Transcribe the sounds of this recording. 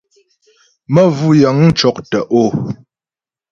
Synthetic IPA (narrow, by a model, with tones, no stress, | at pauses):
mə˦vu˦jə˨˦ŋ̩˦t͡ʃɔ˦k̚tə˨ʔo˦˨